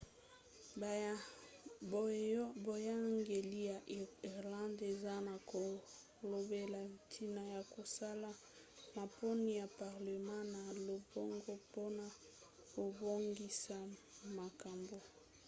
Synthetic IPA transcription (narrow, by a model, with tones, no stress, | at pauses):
bo˨ja˦ŋɡe˨li˦ja˨ʔi˨ʁlã˦nde˨za˦na˨ko˨ | lo˨be˨la˨tʰi˨na˨ja˨ko˨sa˦la˨ | ma˨po˦ni˦ja˨pa˨ʁle˨mã˦na˨lo˨bo˦ŋɡo˦po˦na˨ | ko˨bo˦ŋɡi˦sa˦˨ma˨ka˨mbo˨